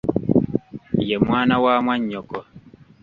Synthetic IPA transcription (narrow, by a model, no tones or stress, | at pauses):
jɛmwaːnawaːmwaɲɔkɔ